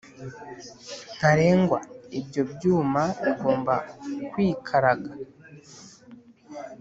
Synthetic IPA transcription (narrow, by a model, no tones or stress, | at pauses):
n̥aɾe̞ːŋɡwaibjo̞bjuːmaβiɡo̞ːmbakwiːkʰaɾaɡa